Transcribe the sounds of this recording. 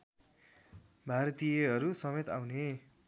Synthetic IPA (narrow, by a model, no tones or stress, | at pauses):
bʱaɾʌt̪ijeɦʌɾusʌmet̪awne